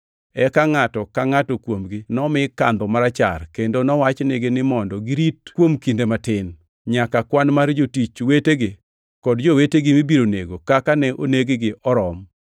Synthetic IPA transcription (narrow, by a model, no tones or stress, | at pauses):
ɛkaŋatɔkaŋatɔkwomɡɪnɔmɪka̰nd̪ɔmaɾat͡ʃa̰rkendonɔwat͡ʃnɪɡɪnɪmɔndɔɡɪɾitkwomkindematɪn | ɲakakwanmard͡ʒotit͡ʃweteɡɪ | kɔdd͡ʒoweteɡɪmibiɾoneɡokakanɛʔoneɡɪɡɪʔɔɾɔm